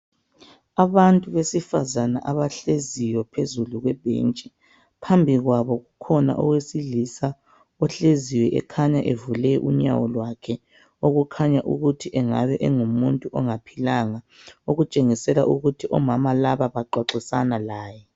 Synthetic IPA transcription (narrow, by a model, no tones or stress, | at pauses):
aβantʼuβesifazanaʔaβaɬezijɔpʰezuluɣwɛb̥ʱḛnt͡ʃʼɛ | pʰambʱiɣwaβɔɣukʰɔna̰ʔɔ̰ɣwesiɮisa | ɔɬeziwɛʔɛ̰kʰaɲaʔevulɛʔṵɲa̰wɔlwakʰɛ | oɣukʰaɲaʔṵɣutʰiʔɛŋa̰βɛʔɛŋumuntʼuʔɔŋapʰilaŋa | oɣut͡ʃʼeŋisɛla̰ʔuɣutʰiʔɔmamalaβaβaǃaǁisanalaːjɛ